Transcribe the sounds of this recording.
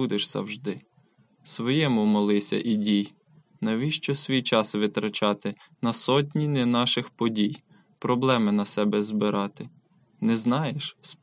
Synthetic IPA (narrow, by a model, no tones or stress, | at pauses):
ud̪eʃz̥ɐ̰wʒd̪ɪ | sʋɔjɛmʊmɔlˠɪsʲɐ̰ʔidʲij | nɐʋʲiʃt͡ʃɔsʲʋʲijt͡ʃɑsʋɪt̪ɾɐt͡ʃɑt̪ɪ | nɐsɔt̬ʲnʲinɛnɑʃɪxpɔdʲij | pɾɔblˠɛmɪnɐsɛbɛzbɪɾɑt̪ɪ | nɛznɑjeʃs